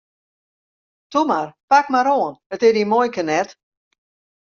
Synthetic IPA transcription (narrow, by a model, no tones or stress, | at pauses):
tumarpak̚maɾoənətɪdimojkənɛt